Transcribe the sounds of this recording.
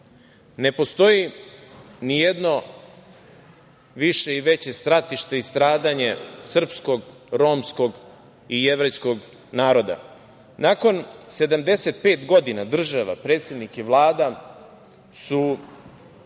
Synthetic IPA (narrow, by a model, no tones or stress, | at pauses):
ne̞po̞st̪o̞ji | nije̞d̪no̞ | ʋiʃe̞iʋe̞t͡ɕe̞st̪ɾat̪iʃt̪e̞ist̪ɾaːd̪aɲe̞sr̩psko̞ɡ | ɾo̞msko̞ɡ | ieʋɾejsko̞ɡ | naːɾo̞d̪a̰ | nako̞nse̞d̪amd̪e̞se̞t̪̚pe̞ːt̪ɡo̞d̪inad̪r̩ʒaʋa̰pɾeːt̪sje̞d̪nikiʋlˠaːd̪a | su